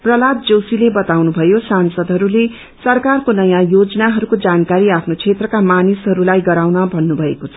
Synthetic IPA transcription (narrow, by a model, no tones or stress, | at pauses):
prʌlat̪̚d͡zowsilebʌt̪awnubʱʌjosansʌd̪ɦʌɾule | sʌrkarkonʌjãjod͡zʌnaɦʌɾukod͡zankaɾiapʰnot͡sʰet̪rʌkamanisɦʌɾulajɡʌɾawnʌbʱʌnːubʱʌekot͡sʰʌ